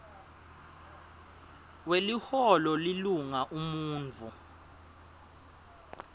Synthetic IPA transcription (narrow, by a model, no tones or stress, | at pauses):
welihɔlɔliluŋaʔumuːnt͡fu